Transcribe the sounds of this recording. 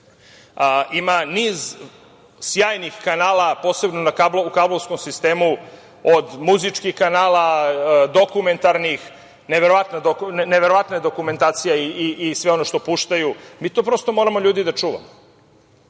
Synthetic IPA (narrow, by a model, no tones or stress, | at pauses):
imaniːz | sjaːjnixkanaːlapo̞ːse̞bnonakabloukablovsko̞msist̪eːmu | od̪muzit͡ʃkixkanaːlad̪okume̞nt̪aɾnix | neʋeɾoʋat̪nad̪oknneʋeɾo̞ʋat̪ned̪o̞kume̞nt̪aːt̪sijeiiʔːsʋeo̞noʃt̪o̞puʃt̪ajumiːt̪opɾo̞ːst̪o̞mo̞ɾamo̞ʎʲuːd̪id̪at͡ʂuːʋa̰mo